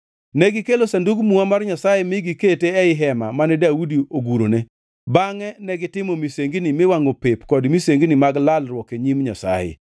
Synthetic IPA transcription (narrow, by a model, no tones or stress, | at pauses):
nɛɡɪkelosanduɡmuamarɲasajemɪɡiketeɛɪɦɛmamanɛdaudioɡuɾone | baŋɛnɛɡɪtɪmɔmiseŋɡnimɪwaŋopepkɔdmiseŋɡnimaɡlalrwɔkeɲimɲa̰sa̰jḛ